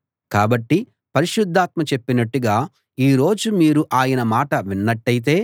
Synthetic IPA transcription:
kaːbɐʈːi | pɐɾiʃud̪ʱːaːt̪mɐt͡ʃe̞pːinɐʈːuɡaː | iːɾo̞ːd͡ʒumiːɾuʔaːjɐnɐmaːʈɐʋinːɐʈːɐjit̪̬e̞ː

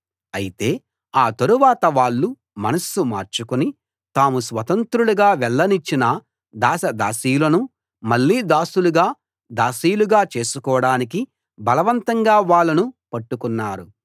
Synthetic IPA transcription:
ɐjit̪e̞ː | aːt̪ɐɾuʋaːt̪ɐʋaːɭːu | mɐnɐsumaːɾt͡ʃukuni | t̪aːmusʋɐt̪ɐnt̪ɾuluɡaːʋɛɭːɐnit͡ʃːinɐ | d̪aːsɐd̪a̰ːsijulɐnu | mɐɭːiːd̪aːsuluɡaː | d̪aːsijuluɡaːt͡ʃe̞ːsukɔːɐɽaːnik̬i | bɐlɐʋɐnt̪ɐŋɡaːʋaːɭːɐnupɐʈːukunːaːɾu

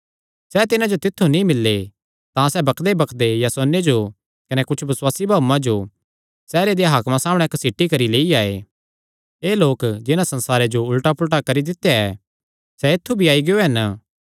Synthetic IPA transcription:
sɛt̪ɪnãd͡ʒot̪ɪt̪ʰːunĩmɪlːe | t̪ãsɛbɐkʰd̪ebɐkʰd̪ejasonːed͡ʒo | kɐnekʊt͡ʃʰbɪswaːsibʱaːumãd͡ʒo | sɛːɾed̪ejaɦaːkmãsaːməɽ̃ɛksiʈːikɐɾileːiaːḛ | eːloːkd͡ʒɪnãsɐ̃nsaːɾed͡ʒoʊlʈapʊlʈ̬akɐɾid̪ɪt̪ːejaɛ | sɛɪt̪ʰːubʱiaːiɡejoɦɐn

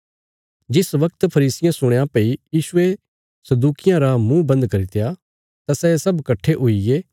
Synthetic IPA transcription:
d͡ʒɪsʋɐk̚t̪pʰɐɾiːsɪjãsʊɽ̃jãpeijiːsʊe | sɐd̪uːkɪjãɾamũbɐ̃nd̪kɐɾit̪eja | t̪asɛsɐbkɐʈʰːeʔoijeː

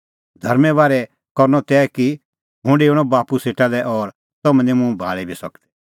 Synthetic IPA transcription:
d̪ʱɐɾmɛ̃baːɾɛ | kɔɾnɔt̪ɛːki | ɦʊ̃ɳɖeːɽ̃ɔbaːpuseːʈalɛʔɔːɾ | sɐmə̃ndĩmũbʱa̰ːɭibʱisɐkd̪ɛ̥

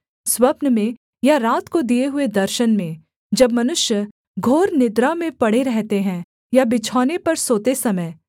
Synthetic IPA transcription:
swɐpnəmẽ | jaɾaːt̪kod̪ieɦʊed̪ɐɾʃənmẽ | d͡ʒɐbmɐnʊʃjə | ɡʱoːɾnɪd̪ɾamẽpɐɽeɾɛɦt̪eɦɛ̃ | jabɪt͡ʃʰɔːnepɐɾsoːt̪esɐməː

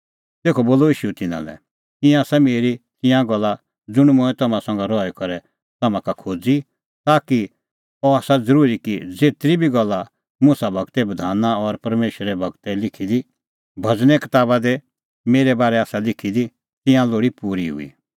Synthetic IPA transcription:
t̪eːkʰɔboːloiːʃuɛt̪ɪnã̰lɛ̰ | t̪ɪ̃jãsɛmeːɾit̪ɪ̃jãɡɐlːa | d͡zʊɽ̃mʊ̃ːɛ̃t̪ɐmãsɐ̃ŋɡaɾɔɛkɔɾɛ | t̪ɐmãkakʰoːd͡zi | t̪aːki | ɔaːsad͡zəɾuːɾikid͡zeːt̪ɾibʱiɡɐlːa | mʊsabʱɐɡt̪ɛbɐd̪ʱaːnaɔɾpɐɾmeːʃɾɛbʱɐɡt̪ɛlɪkʰid̪i | bʱɐd͡znɛkɐt̪aːbad̪e | meːɾɛbaːɾɛaːsalɪkʰid̪i | t̪ɪ̃jãloːɽipuːɾiɦʊ̰ḭ

